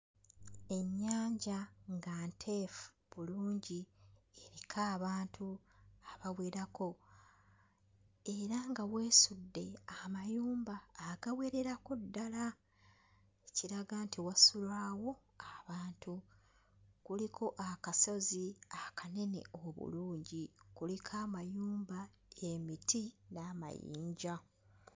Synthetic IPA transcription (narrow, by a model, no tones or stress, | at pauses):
e̞ɲːaːɲɟaŋɡantʰe̞fu̥ | βuluːɲɟieɾikʰaːβaːntʰuaβawe̞ɾako̞ | e̞ɾaŋɡawe̞ːsudːe̞amajuːmbaːɡawe̞ɾe̞ɾakodːala | eciɾaɡaːntʰiwasulwaːwo̞ | aβaːntu | kulikʰo̞ʔakaso̞ziakʰane̞ne̞̰oβṵluːɲɟikulikʰaːmajuːmba | emitinaːma̰jḭːɲɟa